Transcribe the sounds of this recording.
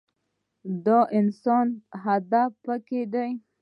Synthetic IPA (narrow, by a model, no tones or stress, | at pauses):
d̪oʔɪnsonɦad̪apəked̪aj